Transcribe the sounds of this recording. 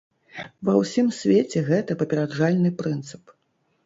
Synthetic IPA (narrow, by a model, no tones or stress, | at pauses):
vɐwsʲimsʲvʲet͡sʲɛɣɛt̪ɐpɐpʲɛɾadʐalʲnɨpɾɨnt̪sɨ̥p